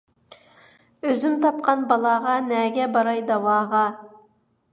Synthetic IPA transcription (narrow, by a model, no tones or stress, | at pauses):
øzymt̪ʰɑp̚qɑnbɑlˠɑʁɑnɛɡʲɛbɑɾɑjd̪ɑwɑːʁɑ